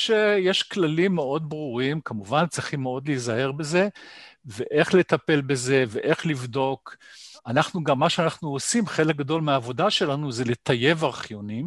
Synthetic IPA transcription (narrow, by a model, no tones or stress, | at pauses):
ʃejeʃklalimːeo̞d̪bʁuʁimkamuvant͡sʁiχimːeo̞d̪lezae̞ʁbe̞ze̞veʔe̞χle̞t̪ape̞lbe̞ze̞veʔe̞χlivd̪o̞kanaχnuɡamːaʃeanaχnuosimχe̞lek̚ɡado̞lmeaːvo̞daʃe̞lanuzelet̪aje̞vaʁχjo̞nim